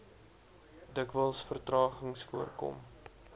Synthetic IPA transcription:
dəkvəlˠsfərtrɑːχəŋsfuərkɔ̰m

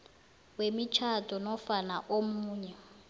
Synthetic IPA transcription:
wemit͡ʃʰatʼɔnɔfanaʔomuːɲɛ

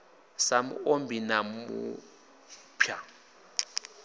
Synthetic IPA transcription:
samṵombʱinamṵ | pʰja

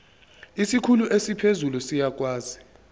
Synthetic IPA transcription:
isikʰuluʔesipʰezulusijak̬ʼwaːzi

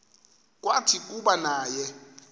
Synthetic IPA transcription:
k̬ʼwatʰik̬ʼuɓanaːjɛ

